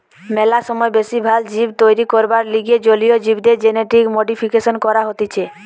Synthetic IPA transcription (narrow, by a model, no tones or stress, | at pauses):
mɛlaʃɔmɔebesibʱald͡ʑibt̪ojɾikɔɾbaɾliɡed͡ʒolijod͡ʑibd̪eɾd͡ʑeneʈɾikmoɖipʰikesɔnkɔɾaɦot̪it͡ʃʰe